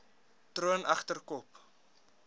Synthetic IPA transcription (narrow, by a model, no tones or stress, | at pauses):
truənʔɐχtərkɔp